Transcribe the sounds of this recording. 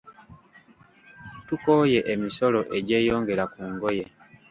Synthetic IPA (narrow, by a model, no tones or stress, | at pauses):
tuko̞ːje̞ʔemiso̞lo̞ʔe̞ɟe̞ːjo̞ːŋɡe̞ɾakuːŋɡo̞je̞